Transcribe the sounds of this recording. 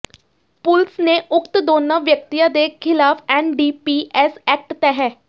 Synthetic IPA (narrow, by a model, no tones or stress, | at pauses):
pʊlsneʔʊkt̪d̪oːnːãʋjək̚t̪ijãːd̪eːkʰɪlaːpʰɛːnɖiːpiːʔɛːsɛːk̚ʈt̪ɛɦɛː